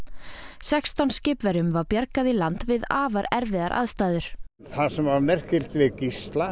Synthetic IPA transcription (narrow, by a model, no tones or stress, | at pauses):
sɛkst̪awnscɪːpvɛɾʏmvaɾpjaɾkaðilant̪vɪðaːvaɾɛɾvɪðaɾʔa̰ðst̪aːðʏɾ̥ | θasɛmavmɛr̥cɪl̥t̪vɪcist̪la